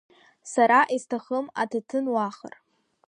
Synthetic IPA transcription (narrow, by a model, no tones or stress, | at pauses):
saɾaʔistʰaχəmatʰatʰɨnwaχə̰r